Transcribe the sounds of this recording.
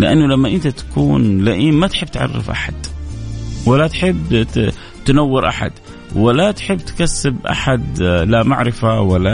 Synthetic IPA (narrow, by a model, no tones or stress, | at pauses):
lɪʔanːʊlamːaʔɪnt̪at̪ḁkuːnlaʔiːmːat̪ħɪbːt̪ʕa̰rːɪ̰fʔa̰ħa̰d̪̥ | wɪlːat̪ħɪbː | t̪anawːɪɾʔaħa̰d̪̥ | wɪlat̪ħɪbːt̪kasːɪbʔa̰ħad̪lamaʕɾɪfawalːa